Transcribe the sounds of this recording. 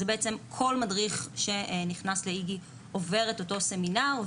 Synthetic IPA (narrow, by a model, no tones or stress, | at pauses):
ebeet͡se̞mkʰo̞lmadʁiχʃe̞niχnasleiɡi | ove̞ʁeto̞to̞se̞minaʁ